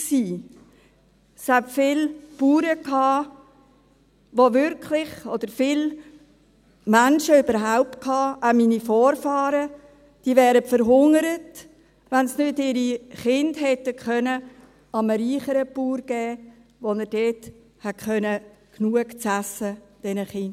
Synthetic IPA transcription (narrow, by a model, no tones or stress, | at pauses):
siː | shætfɪːlpuːɾəkɑː | ʋovʏɾkʰlɪχɔd̥̪əɾfɪl | mænʃəøbəɾɦaʊp̚t̚kʰhɑːʔaminifɔːɾfɑːɾə | d̥iːvɛːɾəfəɾɦʊŋəɾət | ʋænsnʏtɪɾiχɪndhɛtːəkχœnə | ɑməɾiːχəɾəpuːɾɡ̥ɛːʋonəɾd̥eːt | hætkχœnəknuəkt͡sæsəd̥ɛnəχɪnd